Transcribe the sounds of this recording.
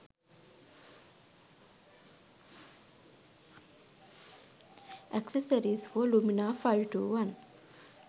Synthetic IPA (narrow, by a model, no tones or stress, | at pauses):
ʔɛksəsəɾiːzfoːluminaːfajʋʈṵːʋɐn